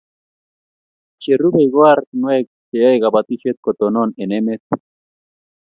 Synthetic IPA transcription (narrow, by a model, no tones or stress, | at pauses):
t͡ʃerubejɣoaɾt̪nwek̚t͡ʃeajɣabat̪iʃet̪̚kot̪ononenemet̪̚